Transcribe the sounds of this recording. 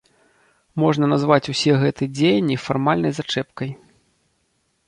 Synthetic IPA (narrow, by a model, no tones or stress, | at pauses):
mɔʐnɐnazvat͡sʲusʲɛɣɛt̪ɨɛd͡zʲejnʲːifarmalʲnɐjzat͡ʂɛpkɐj